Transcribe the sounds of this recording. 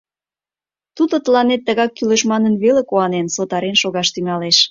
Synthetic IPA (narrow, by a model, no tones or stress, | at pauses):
t̪ud̪ot̪əlɑnet̪ːəɣɑkːyleʃmɑnənβelekoɑnensot̪ɑɾenʃoɣɑʃt̪yŋɑleʃ